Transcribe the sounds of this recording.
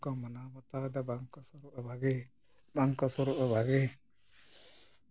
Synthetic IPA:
kɔmanamɔt̪ad̪ɛbaŋkɔsɔɾuʔabaɡɛ | baŋkɔsɔɾuʔabaɡɛ

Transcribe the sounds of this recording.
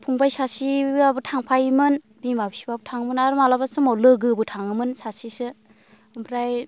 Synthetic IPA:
pʰuŋbajsasibɯabɯtʰaŋpʰajmɯn | bimabisibabutʰaŋmɯnaɾumalabasɯmɔwlɯɡɯbɯtʰaŋɯmɯnsasisɯ | ɯmpʰɾaj

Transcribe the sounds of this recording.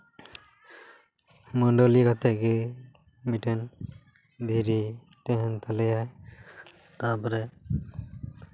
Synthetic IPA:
mɔnɖolikat̪ɛke | miʈɛn | d̪ʱiɾi | t̪ɛɦɛnt̪ʰalɛjaj | t̪ãpɔɾɛ

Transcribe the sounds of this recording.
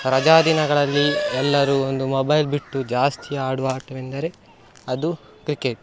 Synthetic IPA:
ɾɐd͡ʒaːd̪inɐɡɐɭɐlːiɛlːɐɾuːond̪umobɐjlbiʈːud͡ʒaːst̪ʰijaːɽuʋaːʈɐʋend̪ɐɾe̞ | ɐd̪u | kɾikeʈ̚

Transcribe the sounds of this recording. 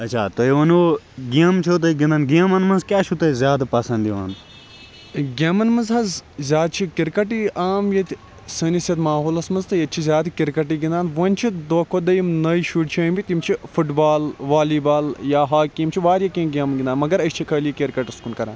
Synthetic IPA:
ɐt͡ʃʰa̰ːt̪oiʋɐnuː | ɡiɐmt͡ʃʰut̪̬oɡind̪anɡiɐmɐnmɐnzkʲaːt͡ʃʰut̪ɐzʲjaːd̪pɐsɐ̃nd̪iʋa̰ːn | ɡʲemɐnmɐnzɦɐzzʲjaːd̪̚t͡ʃʰikiɾkɐʈiʔaːmjɐt̪ʲ | sənisɐt̪maːɦoːlɐsmɐnzt̪ɐjɐt̪t͡ʃʰizʲaːd̪kiɾkɐʈ̬iɡind̪aːnʋɐnʲt͡ʃʰid̪oːkʰod̪ɐjimnɐiʃuːʈt͡ʃʰiɐmbʲit̪imt͡ʃʰifuʈbaːlʋaːliːbaːljaːɦaːkːimt͡ʃʰiʋaːɾjakʲĩːnɡʲɐːmɡʲind̪aːnmɐɡɐɾɐt͡ʃʰikʰəːlikʲiɾkɐʈɐskunkɐɾã̰ːn

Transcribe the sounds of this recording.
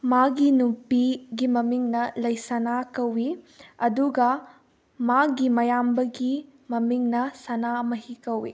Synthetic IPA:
maɡinupiɡimɐmiŋnɐlɐjsɐnakɐwi | ɐd̪uɡɐ | maɡimɐjambɐɡi | mɐmiŋnɐsɐnamɐɦikɐwḭ

